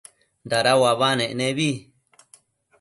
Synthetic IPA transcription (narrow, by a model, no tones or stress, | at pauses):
nd̪aɾawaβanẽʔnẽβi